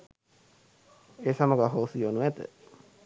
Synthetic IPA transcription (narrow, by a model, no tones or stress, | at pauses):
esamoɡaɦoːsɯjonuet̪ḛ